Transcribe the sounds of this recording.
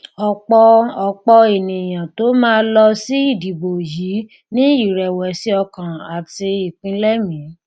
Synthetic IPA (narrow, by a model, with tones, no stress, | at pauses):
ɔ˨k͡pɔ˧ɔ˨k͡pɔ˧e˨nĩ˨j̃ã˨to˨˦mãː˦lɔ˧si˦i˦˨di˨bo˨ji˨˦ | nĩ˦i˦˨ɾɛ˨wɛ˨si˦ɔ˧kã˨a˨ti˧i˨k͡pĩ˨˦lɛ˦mĩ˨˦